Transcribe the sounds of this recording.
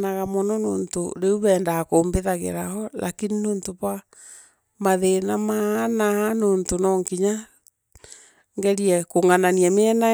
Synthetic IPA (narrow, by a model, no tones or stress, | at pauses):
naɣamɔnɔno̰ːnto̰ɾeuβɛːndakoːmbeðaɣḛɾahɔla̰kininoːntoβa | maðenamahanahanoːntonɔŋkiɲa | ŋɡɛɾiɛkoŋananiameɛna